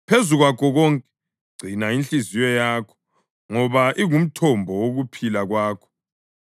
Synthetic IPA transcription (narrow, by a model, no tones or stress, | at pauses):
pʰezuɣwakʰɔɣɔŋkʼɛ̥ | ɡ͡ǀ̥ʱinaint͡ɬizijɔjaːkʰɔ̥ | ŋɔβaʔiɣum̩tʰɔmbʱɔwoɣupʰilaɣwaːkʰɔ̥